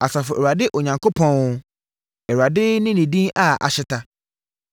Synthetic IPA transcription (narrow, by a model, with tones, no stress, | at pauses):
a˨sa˨fʊ˨ɛ˨ɾa˨dɪ˦ʔɔ˨ɲã˨ŋkʰo˦pʰɔ̃˦n˦ | ɛ˨wa˨dɪ˦nɪ̃˦nĩ˨dĩ˦na˨a̰˨ɕɪ˦tʰa˦